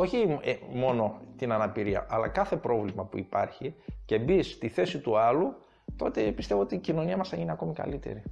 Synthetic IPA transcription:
o̞çimo̞no̞t̪inɐnɐpiɾiɐ̰ʔɐlɐ̰kɐθe̞pɾo̞vlimɐpuipɐɾçice̞bist̪iθe̞sit̪uɐlu | t̪o̞t̪e̞pist̪e̞voo̞t̪iːcino̞niɐmɐsɐineɐko̞mikɐ̰lit̪e̞̰ɾi

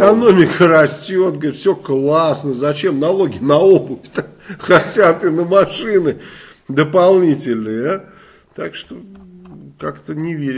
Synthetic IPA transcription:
kɐno̞mʲɪkərɐsʲtʲo̞t̪̚ɡəɾit̪fsʲoklˠasnəzɐt͡ɕe̞mnɐlˠo̞ɡʲɪnɐobʊfʲt̪a | xɐtʲat̪ɨnəmɐʂɨnɨ | d̪əpɐlˠnʲitʲɪlʲnɨj | t̪akʂt̪o | kakt̪ənʲɪvʲeɾʲɪ

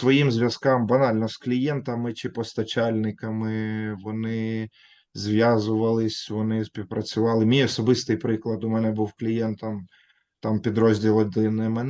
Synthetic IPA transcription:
sʋɔjimzʲʋʲjɐskɑmbɐnɑlʲnɔsklʲijɛnt̪ɐmɪt͡ʃɪpɔst̪ɐt͡ʃalʲnɪkɐmɪʋɔnɪ | zʲʋʲjazʊʋɐlˠɪsʲʋɔnɪsʲpʲiwpɾɐt͡sʲʊʋɑlˠɪmʲijɔsɔbɪst̪ɪjpɾɪklˠɐd̪ʊmɛnɛbuwklʲijɛnt̪ɐm | t̪ɑmpʲid̪ɾɔzʲdʲilˠɔd̪ɪnɛmɛn

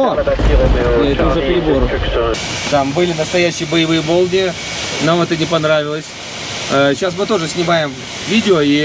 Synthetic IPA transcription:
o | ɛt̪əʊʐəpʲɾʲɪboɾʊ | t̪ambɨlʲɪnəst̪ɐjæɕːɪjəbəjɪvɨjəbo̞lˠnʲɪjə | namɛt̪ənʲɪpɐnɾavʲɪlˠəsʲ | əɕːasmɨt̪o̞ʐɨsʲnʲɪmajɪm | vʲidʲɪoi

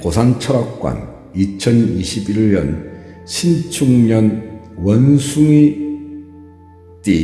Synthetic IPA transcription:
kosʰant͡ɕʰʌɾak̚k͈wa̰n | it͡ɕʰʌniɕʰibiʎːʌnɕʰint͡ɕʰuŋɲʌn | wʌnsʰuŋi | t͈i

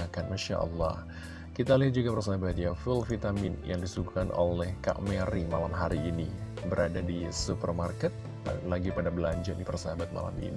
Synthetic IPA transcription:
akanmanʃa̰ʔɔ̰lːɔ̰h | kit̪aliɦat̪̚d͡ʒuɡapərs̬aɦabat̪̚jafulfit̪aminjaŋdisukukanʔolɛhka̰ʔmɛɾimalamɦaɾiːnibəɾʔadadisupərmarkɛt̪̚ | laɡipadabəlaɲd͡ʒadipərsaɦabat̪̚ma̰la̰mḭni

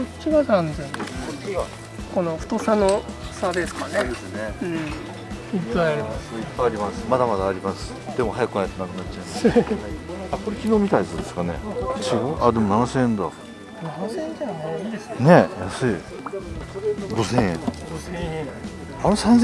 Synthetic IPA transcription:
ot͡ɕiɡazãnzẽnoia | kono̞ɸɯ̥t̪o̞sanosad̪esɨ̥kaned̪esneɯ̃ | ipːajaɾʲimasɨ̥ipːaaɾʲimasɨ̥mad̪amad̪aːɾʲimasɨ̥ | d̪e̞mo̞ɦajakɯ̟najit̪onãkɯ̟nat͡ɕːt͡ɕã | ako̞ɾekʲiɡoːmit̪aisod̪e̞sɨ̥kane̞̰siɡoʔa̰d̪e̞monanaseẽnd̪a̰ | nansẽɲd͡ʑanaid̪esɨ̥ne̞jasɨi | ɾɡ̪o̞sẽɰ̃ẽɡosẽẽ | anosãnz

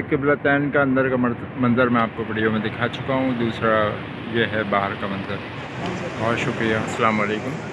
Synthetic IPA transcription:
kɪblat̪ɛːnkaɐ̃nd̪əɾkam | mɐ̃nzəɾmɛ̃aːp̚kopɐɽ̤ijomɛ̃d̪ɪkʰat͡ʃʊ̥kaɦũd̪uːsɾa | jeɦɛbaːɦəɾkamɐ̃nzəɾ | bɔːʃʊkɾijaɐsɐlaːmaleːkʊm

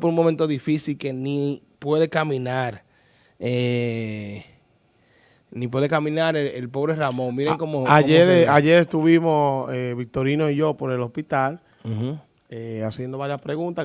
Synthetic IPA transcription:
poɾuŋmõmẽnt̪o̞ðifisilke̞nipwe̞ðe̞kamĩnaɾ | e | nip̬we̞ðekamĩnaɾeelpo̞βɾeramõŋmiɾeŋkomoameɾaʝe̞ɾest̪uβimo̞seβik̚t̪o̞ɾinoiʝo̞po̞ɾe̞lo̞spit̪al | easjend̪o̞βaɾjaspɾeɣunt̪a

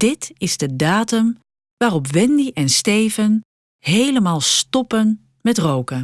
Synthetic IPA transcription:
d̥ɪtɪzdədaːtəm | ʋaːrɔpʋɛndiʔɛnstejvən | hejləmaːlˠstɔpən | mɛtrowkə

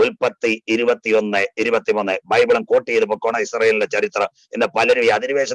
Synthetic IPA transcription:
ulpɐt̪ːiiɾubɐt̪ːio̞nːɨiɾubɐt̪ːimunːɨbɐjbɐɭɐmko̞ːʈːijeðupːokːoːɳɐisrɐjɐlldet͡ɕɐrit̪rɐ | end̪ɐpɐlɐɾuʋijɐðiɾuʋeːɕɐ

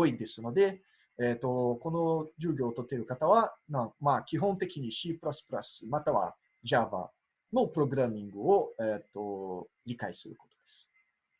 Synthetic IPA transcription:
oid̪e̞sɨno̞d̪e̞ | eːt̪o̞ko̞no̞d͡ʑɨːɡʲo̞ːt̪ot̪ːe̞ɾɯ̟kat̪aβanãmaːkʲiɦõ̞nt̪e̞kʲiɲ̟iɕiːpɯ̟ɾasɨ̥pɯɾa̰sɨmat̪aβa̰ | ʑava̰ | no̞pɯ̟ɾo̞ɡɯ̟ɾamʲːĩŋɡɯ̟o̞eːt̪ːo̞ɾʲikaisɨɾɯ̟ko̞t̪o̞̥d̪e̞sɨ̥

